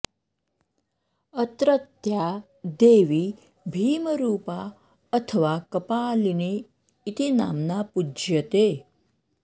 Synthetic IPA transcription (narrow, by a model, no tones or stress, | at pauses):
ət̪ɾət̪ja | d̪eːʋi | bʱiːməɾuːpa | ət̪ʰəʋakɐpaːlineː | t̪ina̰ːmnapujət̪e